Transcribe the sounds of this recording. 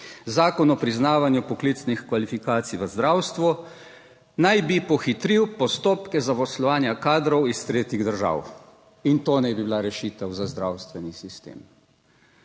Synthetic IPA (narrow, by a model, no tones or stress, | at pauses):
zaːkɔnɔpɾiznaːʋanjupɔklit̪snixkʋalifikaːt̪sijʋəzd̪ɾawst̪ʋɔ | najbipɔxit̪ɾiwpɔst̪oːpkɛzapɔslɔʋaːnjakaːd̪ɾɔwist̪ɾeːt̪iɣd̪əɾʒa̰ːw | int̪oːnɛbibilaɾɛʃiːt̪ɛwzazd̪ɾawst̪ʋɛnisist̪ḛːm